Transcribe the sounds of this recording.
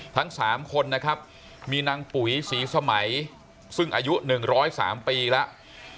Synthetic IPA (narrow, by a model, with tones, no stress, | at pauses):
t̪ʰa˦˥ŋsaː˩˦mkʰo˧nːa˦˥kʰa˦˥p̚ | miː˧na˧ŋpu˩˦jsiː˩˦sa˧ma˩˦j | sɯ˥˩ŋʔaː˧ju˦˥nɯ˨˩ŋɾɔː˦˥jsa̰ː˩˦mpiː˧lɛ˦˥ʔ